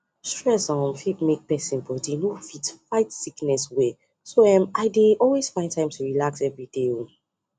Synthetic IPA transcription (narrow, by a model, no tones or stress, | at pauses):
stɹɛsɔ̃nfitmek̚pɛsĩnbɔdenofitfaɪtsiknɛswe | soɛ̃maɪdeʔɔlwez̥fãɪ̃ntʰãɪ̃mtʰuɹilaksɛvɹideo